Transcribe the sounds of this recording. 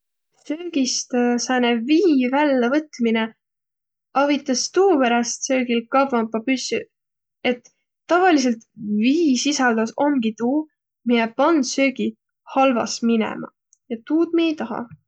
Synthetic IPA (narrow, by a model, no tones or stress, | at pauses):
søːɡist̪sæneviːvælːɑvɤt̪ˑmine | ɑvit̪ːˑɑst̪uːpeɾɑst̪sø̞ːɡilkɑvvɑmpːɑpysːy | e̞t̪ː | ɑvɑlis̬e̞lt̪viːsisɑld̪̥ɑso̞ŋɡ̥it̪uː | mijepɑnsø̞ːɡi | hɑlvɑ̰sminḛmɑ̰ | jɑt̪uːd̪̥̚miejt̪ɑɦɑ̰